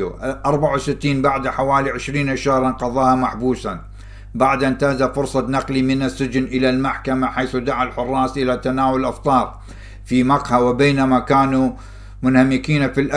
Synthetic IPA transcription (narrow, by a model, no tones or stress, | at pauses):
ʔɑɾˤbaʕawsɪt̪ːiːnbaʕd̪ħawaːliʕɪʃɾiːnʔaʃahɾˤɑnqɑðˤɑːhamaħbuːsa | baʕd̪ʔɪnt̪aːzafʊɾsˤɑnɑqlimɪnɪsːɪd͡ʒnʔɪlalmaħkamaħajθud̪aʕalħʊrˤːɑːsʔɪlat̪anaːwʊlʔɑft̪ˤɑːɾˤ | fimɑqħawɪbeːnamakaːnu | mʊnhamɪkiːnafilʔa